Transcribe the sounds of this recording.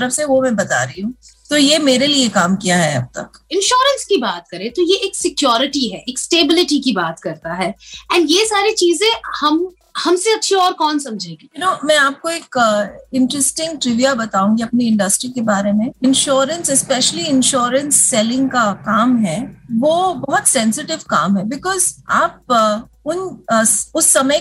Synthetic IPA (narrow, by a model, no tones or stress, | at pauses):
ɐɾəfseʋomɛ̃bɐt̪a̰ːɾɐɦiɦũːt̪ojemeːɾeliekaːmkijaɦɛɐ̰b̚t̪ɐ̰k | ɪ̃nʃɔːɾə̃nskibaːt̪kɐɾẽt̪ojeeːksɪkjɔːɾɪʈiɦɛːʔeːksʈeːbɪlɪʈikibaːt̪kɐɾt̪aɦɛːɛ̃ːnɖjeːsaːɾet͡ʃiːzẽhɐm | hɐmseɐtːʃʰiɔːɾkɔːnsɐ̃md͡ʒʱẽːɡiɪnoːmɛ̃aːp̚koeːkɪ̃ɳʈɾəsʈɪ̃ŋɡ̚ʈɾɪʋijabɐt̪aːũŋɡiɐpniɪ̃ɳɖɐsʈɾikebaːɾemẽɪ̃nʃoːɾə̃nsɛspɛʃəliɪ̃nʃɔːɾə̃nsːɛlɪ̃ŋɡ̚kakaːmɦɛʋoːbɐɦɔt̪sɛ̃nsɪʈɪʋkaːmɦɛbɪkɔːzaːp̚ | ʊn | ʊsːɐmə